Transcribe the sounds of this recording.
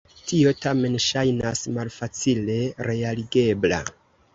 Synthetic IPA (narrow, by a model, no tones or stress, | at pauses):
tio̞tame̞nʃajnasmalfat͡sile̞ɾe̞aliɡe̞bla̰